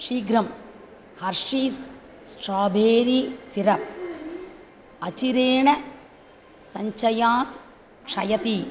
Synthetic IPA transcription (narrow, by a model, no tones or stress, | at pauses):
ʂiːɡɾɐm | hɐɾʂiːs | sʈɾaːbʱeːɾisiɾɐp̚ | ɐt͡ʃiɾeːɳɐ | sɐɲt͡ʃɐjaːt̪ | kʂɐ̰jɐt̪i